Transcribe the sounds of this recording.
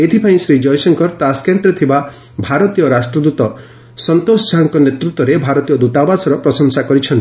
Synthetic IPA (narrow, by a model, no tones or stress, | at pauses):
et̪ʰipʰaĩsɾid͡ʒɔjsɔŋkɔɾt̪askeɳʈɾet̪ʰiba | bʱaɾɔt̪ijɔɾasʈɾɔd̪ut̪ɔ | sɔnt̪ossaŋkɔnet̪ɾut̪ːwɔɾebʱaɾɔt̪ijɔd̪ut̪abasɔɾɔpɾɔsɔŋsakɔɾit͡ʃʰɔnt̪ii